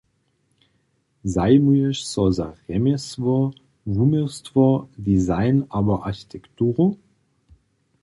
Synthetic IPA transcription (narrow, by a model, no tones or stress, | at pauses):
zaɪmuɛʃsɔzaʁɛmɛsvɔ | vumestvɔdizaɪnaːbɐʔaɕi̥tʰɛktuːʁo